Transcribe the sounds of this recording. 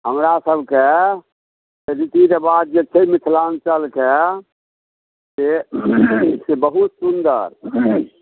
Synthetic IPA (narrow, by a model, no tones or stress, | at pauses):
ɦəmɾasəbʱke | seɾit̪iɾebad̪̚d͡ʒet͡ʃʰemikʰlant͡ʃəlke | se | sebəɦut̪sund̪əɾ